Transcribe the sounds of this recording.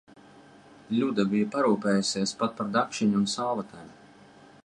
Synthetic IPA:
lʲud̪abijapaɾuːpɛːjusʲeːspat̪̚paɾd̪akʃiɲuːnsawvat̪ʰalu

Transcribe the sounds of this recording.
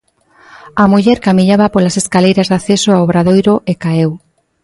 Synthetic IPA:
amuʎɛɾkamiʎaβapolaseskalejɾazðaθesoawβɾaðojɾoʔekaew

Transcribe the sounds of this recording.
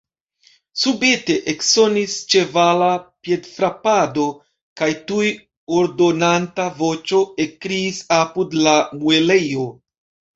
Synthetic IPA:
subete̞ʔekso̞nist͡ʃe̞valapje̞dfɾapado̞ | kajtuj | oɾdo̞nantavo̞t͡ʃo̞ekɾiːsapudlamue̞lejo

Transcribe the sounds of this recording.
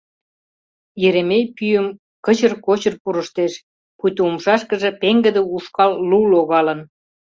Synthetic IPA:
jeɾemejpyjəm | kə̆t͡ɕərkot͡ɕərpuɾəʃt̪eʃ | kut̪uumʃɑʃkə̆ʒĕpeŋɡə̆d̪ĕuʃkɑlːuloɣɑlə̆n

